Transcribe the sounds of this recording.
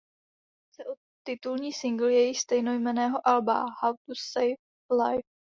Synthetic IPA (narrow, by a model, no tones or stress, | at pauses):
t͡sɛʔo | t̪ːɪt̪ulɲiːsɪŋɡl̩jɛjɪxst̪ɛjno̞jmɛnɛːɦo̞ʔalba̰hawt̪usɛjf | lajf